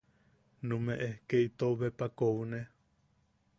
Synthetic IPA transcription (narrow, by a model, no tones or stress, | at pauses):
nũmẽʔehkeit̪oβepakowune